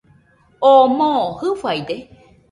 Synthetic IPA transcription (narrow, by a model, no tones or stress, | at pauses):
omõhɨfajd̪e